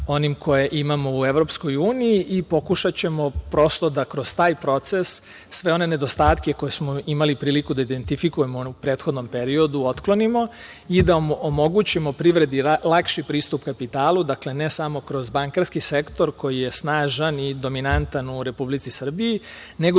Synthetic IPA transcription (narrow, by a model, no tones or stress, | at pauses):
o̞nimkʰo̞je̞ʔimamo̞ue̞ʋɾo̞psko̞juːnijiʔipo̞kuʃat͡ɕe̞mo̞pɾo̞st̪o̞d̪akɾo̞st̪aːjpɾo̞t̪se̞sː | ʋe̞o̞ne̞ne̞d̪o̞st̪aːt̪ke̞ko̞jesmo̞imalipɾiːlikud̪aid̪e̞nt̪ifikuje̞moupɾe̞ːt̪xo̞d̪no̞mpe̞ɾio̞d̪uo̞t̪klo̞nimo̞ | id̪aomo̞ɡut͡ɕimo̞pɾiʋɾe̞d̪ilˠakʃipɾiːst̪upkapit̪aːlˠud̪akle̞ne̞samo̞kɾo̞zbaŋkaɾskise̞kt̪o̞ɾko̞jije̞snaːʒanid̪o̞minant̪anuɾe̞publit̪sisr̩bii | ne̞ɡo